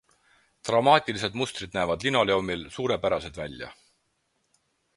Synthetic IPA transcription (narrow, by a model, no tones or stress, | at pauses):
t̪rɑwmɑːt̪ʲilis̬e̞d̪must̪rid̪̚næːvɑd̪linole̞omilsuːɾe̞pæɾɑse̞d̪vælʲjɑ̰